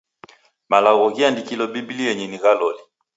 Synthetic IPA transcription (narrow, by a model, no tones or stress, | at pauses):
malaɣɔɣiandikilɔbibiliɛɲɛniɣalɔli